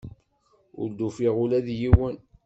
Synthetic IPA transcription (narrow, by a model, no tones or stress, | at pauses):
ʊ̰ɾd̪ufiʁʊlæðjiwən